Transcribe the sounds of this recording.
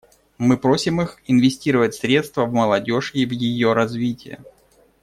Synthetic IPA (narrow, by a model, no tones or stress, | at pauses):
mɨpɾo̞sʲɪmɨxɪnvʲɪsʲtʲiɾəvətʲsɾʲe̞t̪st̪vəvməlˠɐdʲo̞ʐɪvjɪjo̞ɾɐzvʲitʲɪjə̰